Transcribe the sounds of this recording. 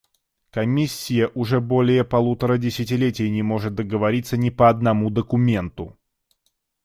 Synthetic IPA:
kɐmʲisʲːɪjəʔʊʐɛbo̞lʲɪjəpɐlˠut̪əɾədʲɪsʲɪtʲɪlʲetʲɪjənʲɪmo̞ʐɨt̪̚d̪əɡəvɐɾʲit̪sənʲɪpəɐd̪nɐmud̪əkʊmʲe̞nt̪ʊ

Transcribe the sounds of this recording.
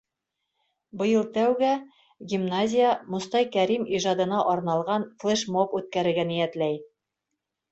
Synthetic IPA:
bɤ̆jɤlˠt̪æwɡæ | ɡʲimnazʲɪjəmŏst̪ɑjkæɾimiʒɑd̪ɤ̆nɑʔɒɾnɑlˠʁɑnflˠeʃmopʉt̪̚kæɾɘ̆ɾɡænijæt̪læj

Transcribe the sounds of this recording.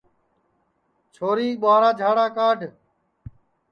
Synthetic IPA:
t͡ʃʰoːɾiːɓaːɾaːd͡ʒʱaːɽaːkaːɖʱ

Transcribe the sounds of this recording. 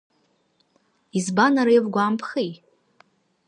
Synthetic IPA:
izbanaɾajvɡʷaːmpʰχi

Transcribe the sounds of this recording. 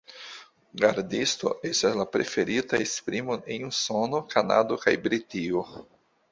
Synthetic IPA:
ɡaɾdisto̞̰ʔestaslapɾe̞fe̞ɾitaespɾimonenuso̞nokana̰dokajbɾitio

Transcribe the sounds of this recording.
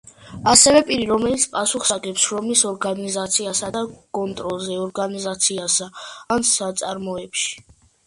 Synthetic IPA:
asɛvɛpʼiɾiɾɔmɛlit̪sʰpʼasuχsaɡɛpsʃɾɔmisɔɾɡanizat̪sʰiasad̪akʼɔnt̪ʼɾɔlˠzɛɔɾɡanizat̪sʰiasaansat̪sʼaɾmɔɛpʃi̥

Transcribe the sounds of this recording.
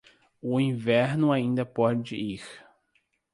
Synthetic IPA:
ʊĩvɛɾnʊaĩnd̪ɐpɔd͡ʒɪiɾ

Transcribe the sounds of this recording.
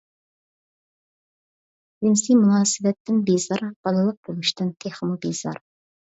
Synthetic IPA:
jɪnsimunɑːsɨvɛt̪ʰːɪnbezɑɾb̥ɑlˠɨlˠəq̚b̥olˠɨʃt̪ɨnt̪ʰeχmubez̥ɑ̰ɾ

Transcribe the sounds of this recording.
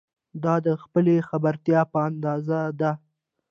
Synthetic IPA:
d̪ɑd̪əxpəlexabaɾt̪jɑpəand̪ɑzad̪a

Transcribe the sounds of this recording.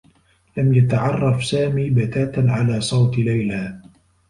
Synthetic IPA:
lamjat̪aʕɑrˤːɑfsaːmiːbat̪aːt̪aʕalaːsˤɑwt̪lajla

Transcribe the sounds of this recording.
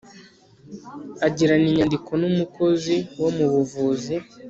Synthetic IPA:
aɟiɾaniɲandiko̞numuko̞ziwo̞muβuvuːzi

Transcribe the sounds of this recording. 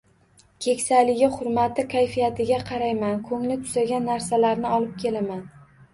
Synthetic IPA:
kʲʰe̞kʲsalɪɡʲɪχʊɾmat̪ʰɪkʲʰajfijat̪ʰɪɡʲaqʰɑɾajmankʰɵŋlɪt̪ʰʊ̥zaɡʲanːaɾsalaɾnɪɒlˠɪp̚kʲʰe̞laman

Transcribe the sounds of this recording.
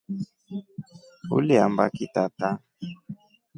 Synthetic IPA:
ṵliamba̰kitata

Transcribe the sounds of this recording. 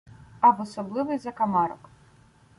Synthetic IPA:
ɐbɔsɔblˠɨvɨjzɐkɐmaɾɔk

